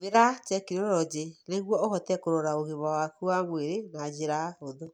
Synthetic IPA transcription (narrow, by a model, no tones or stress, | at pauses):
βeɾat͡ʃɛkinoɾɔd͡ʒeneɣwɔoɣɔtɛkoɾoɾaoɣeβawakuwamweɾenad͡ʑeɾaoðo